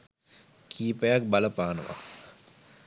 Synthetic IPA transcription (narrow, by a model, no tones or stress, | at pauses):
kʰiːpəjak̚baləpaːnə̰ʋa̰